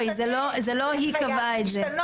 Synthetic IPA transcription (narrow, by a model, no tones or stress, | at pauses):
jzelozelohikavaetze